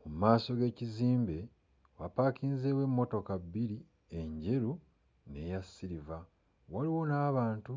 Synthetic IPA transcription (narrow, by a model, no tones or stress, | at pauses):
mumumaːso̞ɡe̞ːciziːmbe̞ | wapaːkiːnze̞ːwe̞mːo̞to̞kaβːiɾi | eɲɟe̞ɾu | ne̞jasːiɾiva | waliwo̞naːβaːntu